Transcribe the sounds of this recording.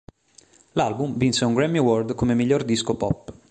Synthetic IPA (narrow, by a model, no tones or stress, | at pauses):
lalbumvinseuŋɡɾɛmːiwɔrd̪komemiʎːord̪iskopɔpː